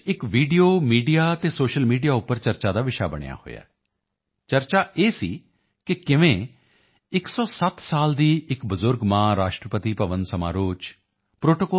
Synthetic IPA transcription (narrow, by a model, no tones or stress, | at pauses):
ɪkʋiːɖijoːmiːɖijaːt̪eːsoːʃəlmiːɖijaːʊpːəɾt͡ʃəɾt͡ʃaːd̪aːʋɪʃa̰ːbəɽ̃ḛja̰ːho̰ːeja̰ː | t͡ʃəɾt͡ʃaːʔeːsiː | kɪkɪʋẽː | ɪksɔːsət̪saːld̪iːɪkbəzʊɾɡmãːɾaːʃʈɾəpət̪iːpəʋənsəma̰ːɾoːt͡ʃ | pɾoːʈokɔː